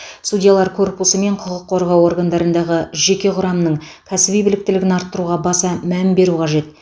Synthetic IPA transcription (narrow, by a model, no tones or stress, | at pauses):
sudʲijalˠɑɾkʰo̞rpusəme̞ɴqʰʊʁəqʰːo̞ɾʁɑwo̞ɾɡand̪ɑɾənd̪ɑʁəʒe̞kʲe̞qʰʊɾɑmnəɴ | kʲʰæsɪbijbɪlɪk̚t̪ɪlɪɡʲɪnɑɾt̪ːəɾuʁɑbɑsɑmænbe̞ɾuqʰɑʒe̞t̪̚